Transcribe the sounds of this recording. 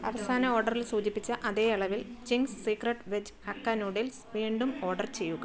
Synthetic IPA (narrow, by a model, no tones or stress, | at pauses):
ɐ̰ʋɐsaːnɐoːrɖɐrilsuːd͡ʑipːit͡ɕːɐʔɐðe̞ːiɭɐʋilt͡ɕiŋɡsːiːkrɐʈʋed͡ʑhɐkːaːnuɖelsʋiːɳɖumo̞ːrɖɐrt͡ɕe̞jːuɣɐ